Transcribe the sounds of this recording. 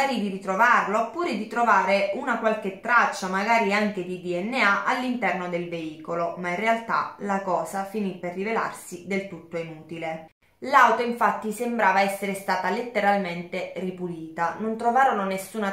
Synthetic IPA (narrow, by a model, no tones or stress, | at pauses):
aːɾid̪iɾit̪ɾovarlopuːɾed̪it̪ɾovaːɾeunakwalk̟et̪ːɾat͡ʃːamaɡaːɾiaŋk̟ed̪id̪iɛnːeaʔalːint̪ɛrnod̪elveiːkolomainrealt̪a̰lakɔːzafinipːerːivela̰rsid̪elt̪ut̪ːoinuːt̪ile | lawt̪oiɱfat̪ːisembɾaːvaɛsːeɾest̪aːt̪alet̪ːeɾalment̪eripuliːt̪anont̪ɾovaːɾononesːuːna